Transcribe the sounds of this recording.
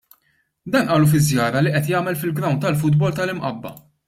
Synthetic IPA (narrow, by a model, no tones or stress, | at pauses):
d̪ɐːnʔɐːlufɪzːjɐːɾɐliʔɛt̪jɐːmɛlfɪlɡɾɐwnt̪ːɐlf̬ʊd̪bɔlt̪ɐlɪmʔɐ̰bːɐ̰